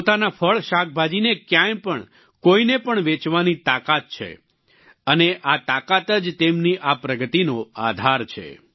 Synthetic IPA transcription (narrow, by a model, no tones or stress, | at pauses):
pot̪anafʰəɭʃak̚ʰbʱad͡ʒinekjãjpəɳ | koinepəɳʋet͡ʃʋanit̪akat̪̚t͡ʃʰḛ | əneʔat̪akat̪əd͡ʒt̪emniʔapɾəɡət̪inoa̰d̪ʱaɾt͡ʃʰḛ